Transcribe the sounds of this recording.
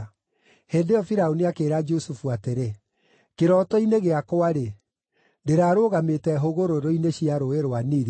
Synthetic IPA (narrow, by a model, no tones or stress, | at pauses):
heːndeɔfiɾaoniakeːɾad͡ʒosufuateɾe | keɾɔːtɔineɣeakoaɾe | ndeɾaːɾoːɣametɛɦoɣoɾoɾoineɕiaɾoeɾoaniɾ